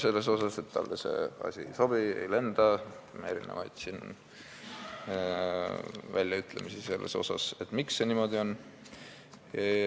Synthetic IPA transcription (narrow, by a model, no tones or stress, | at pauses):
se̞lːe̞so̞sɑse̞t̪ːɑ̰lːse̞̰ɑ̰sʲiso̞b̥ie̞̰jle̞nd̪̥ɑme̞ɾḭnḛvɑjd̪̥sin | vælʲjɑyt̪ˑle̞̰misiselːe̞̰so̞̰sɑ̰se̞t̪ːˑmiksːe̞niːmo̞d̪io̞n